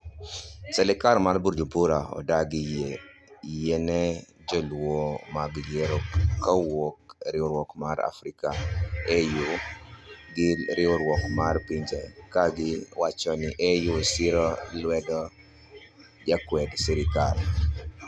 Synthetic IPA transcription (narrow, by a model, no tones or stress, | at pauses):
sɛlɛkaɾmarbuɾd͡ʒubuɾaɔ̰daɡijejɛnɛ | d͡ʒɔlwomaɡjeɾɔkawokɾɪɔɾwɔkmaɾa̰fɾikaeju | ɡɪɾɪɔɾwɔkmarpiɲd͡ʒɛkaɡɪwat͡ʃɔnɪʔɛjusiɾɔlwɛdɔ | d͡ʒakwɛdsiɾikal